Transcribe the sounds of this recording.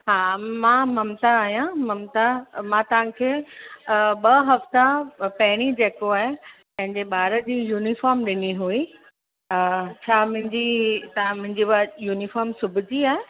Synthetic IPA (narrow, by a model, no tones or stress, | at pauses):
ɦaːmãmɐmt̪aːɦijãmɐmt̪amãt̪ɐʋ̤ãkʰeː | ɓɐɦɐft̪apɐɦɪɽ̃id͡ʑeːkoaːɦepɐ̃ɦɪ̃ɲd͡ʑeɓaːɾəd͡ʑiːjuːnifaːɾmɗɪniɦui | t͡ɕʰaːmʊ̃ɦɪ̃ɲd͡ʑit̪ɐãmʊ̃ɦɪ̃ɲd͡ʑibajuːnifaːɾmsʊbʱɪd͡ʑiaːɦe